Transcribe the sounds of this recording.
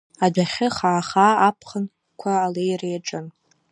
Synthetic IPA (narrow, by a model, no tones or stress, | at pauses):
adʷaχʲɪχaːχaːapʰχən | kʷʰaːlejrejaʈ͡ʂʼɨn